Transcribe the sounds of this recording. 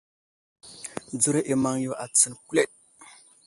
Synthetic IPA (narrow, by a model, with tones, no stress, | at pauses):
d͡zu˦ɾe˦ʔi˨ma˨ŋjo˨ʔa˨t͡sə˨nku˦le˦˨t̚